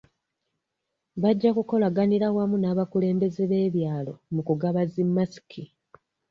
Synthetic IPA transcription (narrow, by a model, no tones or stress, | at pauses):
βaɟːakuko̞laɡaniɾawamunaːβakule̞ːmbe̞zeβe̞ːβjaːlo̞̰mukuɡaβazimːasi̥kʰi